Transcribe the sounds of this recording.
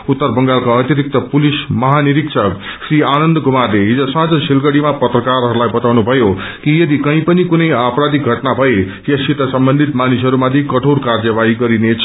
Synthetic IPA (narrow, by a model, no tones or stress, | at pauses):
ut̪ːʌrbʌŋɡalkaʌt̪jʌɾik̚t̪ʌpulismʌɦaniɾiksʰʌksrianʌnd̪ɡʱumarleɦid͡zosãd͡zʌsilɡʌɽimapʌt̪rʌkarɦʌɾulajbʌt̪awnubʱʌjokijʌd̪ikʌĩpʌnikunʌjaprad̪iɡʱʌʈnabʱʌe | jʌsit̪ʌsʌmbʌnd̪ʱit̪manisɦʌɾumad̪ʱikʌʈʰoɽkard͡zʌbaiɡʌɾinet͡sʰʌ